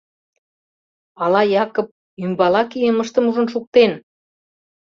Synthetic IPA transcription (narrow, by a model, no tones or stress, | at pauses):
ɑlɑjɑkŏp̚ | ymbɑlɑkijeməʃt̪ə̆muʒə̆nʃuk̚t̪en